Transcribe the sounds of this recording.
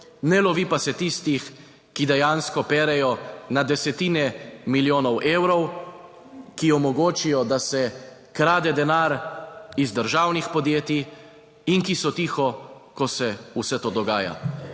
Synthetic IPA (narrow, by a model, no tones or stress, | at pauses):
nɛlɔʋipasɛt̪ist̪ix | kid̪ɛjanskɔpɛːɾɛjɔnad̪ɛsɛt̪iːnɛmiljoːnɔwʔeːwɾɔw | kiɔmɔɡoːt͡ʃijɔd̪asɛ | kɾaːd̪ɛd̪ɛnaːɾizd̪əɾʒaːwnixpɔd̪jeːt̪i | inkisɔt̪iːxɔkɔsɛusɛt̪oːd̪ɔɡaːja̰